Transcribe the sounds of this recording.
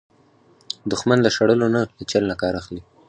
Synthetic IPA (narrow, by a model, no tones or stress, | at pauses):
d̪ʊxmanlaʃaɽəlonalət͡ʃalnakɑɾaxli